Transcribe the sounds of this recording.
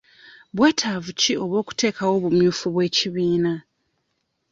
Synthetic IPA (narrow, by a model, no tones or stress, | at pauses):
βwe̞ːtʰaːvucio̞βwo̞ːku̥te̞ːkawo̞ːβumjuːfuβwe̞ːciβiːna